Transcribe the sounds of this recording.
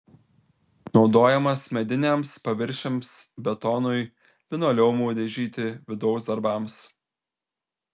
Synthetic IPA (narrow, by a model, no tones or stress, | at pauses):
nɒʊd̪oːjɛmɐsmʲɛd̪ʲɪnʲɛmspɐʋʲɪɾʲʃʲɛmsbʲɛt̪ɔnʊɪ | lʲɪnoːlʲɛʊmuːd̪ʲɛʒʲiːt̪ʲɪʋʲɪd̪ɒʊsd̪ɐɾbɑˑms